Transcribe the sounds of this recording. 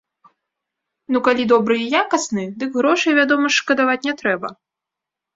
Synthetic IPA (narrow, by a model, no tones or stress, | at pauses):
nukalʲid̪ɔbɾɨjijakɐsnɨd̪ɨɡɣɾɔʂɨjvʲad̪ɔmɐʂkɐd̪avat͡sʲnʲɛt̪ɾɛbɐ̰